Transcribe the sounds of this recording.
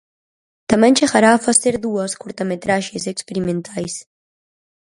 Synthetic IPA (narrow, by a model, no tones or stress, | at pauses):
t̪amɛ̃nʲʃeɣaɾaːfaseɾðuaskuɾt̪amet̪ɾaʒezekspeɾimẽnt̪ʰajs